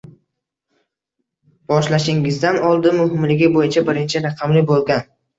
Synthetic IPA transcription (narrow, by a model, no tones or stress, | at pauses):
b̥ɒʃlaʃɪŋɪzd̪anɒlˠd̪ɪmʊɦɪmlɪɡʲɪbojɪt͡ʃʰabɪɾɪnt͡ʃʰɪɾɑqʰɑmlɪbolˠɡʲan